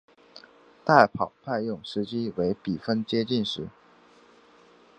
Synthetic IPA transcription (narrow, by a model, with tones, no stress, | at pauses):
t̪a˥˩ɪpʰɑ˨˩ʊpʰa˥˧ɪjʊ˥˩ŋʂɻ̩˧˥t͡ɕi˥we˧˥ɪpi˨˩fə˥nt͡ɕjɛ˥t͡ɕi˥˩nʂɻ̩˧˥